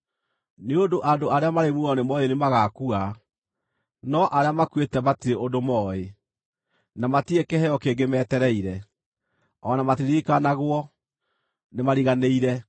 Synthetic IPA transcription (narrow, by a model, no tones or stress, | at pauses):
neondoʔadoaɾeamaɾemuɔnemɔenemaɣakua | nɔʔaɾeamakwetɛmatiɾeʔodomɔe | namatiekɛhɛjɔkeːɡemɛtɛɾɛiɾɛ | ɔnamatiɾikanaɣwɔ | nemaɾiɣaneiɾɛ